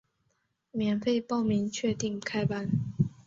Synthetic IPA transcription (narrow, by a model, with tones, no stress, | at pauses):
mjɛ˨˧˥nfe˥˧ɪpɑ˥˨ʊmi˨˧˥ŋt͡ɕʰɥɛ˥˧t̪i˥˩ŋkʰa˥ɪpa˥n